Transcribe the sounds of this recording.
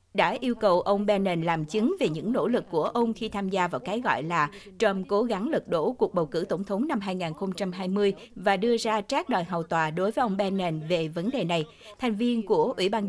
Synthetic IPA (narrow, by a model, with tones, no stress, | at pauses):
ɗa̰ː˧˥ʔi˧əwkə˨˩wʔə˧wŋ͡mɓɛ˧nɛ˨˧˩nlaː˨˩mt͡ɕɨ˨˦ŋve˨˩ɲɨ̰˧˥ŋno̰˧˥lɨ˨˩kːu˧˩əʔə˧wŋ͡mxi˧t̪ʰaː˧mzaː˧vaː˨˩wkaː˨˦jɣɔ̰˧˨jlaː˨˩ | t͡ɕə˧mko˨˦ɣa˨˦ŋlɨ˨˩k̚ɗo̰˧˥˩ku˨˩ək̚ɓə˨˩wkɨ̰˧˩t̪ə˧˩ŋ͡mt̪ʰə˨˦wŋ͡mna˧mɦaː˧jŋaː˨˩nxo˧ŋ͡mt͡ɕa˧mɦaː˧jmɨ˧əj | vaː˨˩ɗɨ˧əzaː˧t͡ɕaː˦˥k̚ɗɔ˨˩jɦɔ˨˩wt̪waː˨˩ɗo˨˦jvəː˨˦jʔə˧wŋ͡mɓɛ˧nɛ˧˩nve˨˩və˨˦nɗe˨˩na˨˩j | t̪ʰa˨˩jŋ̟vi˧ənku˧˩əʔwḭ˧˩ɓaː˧n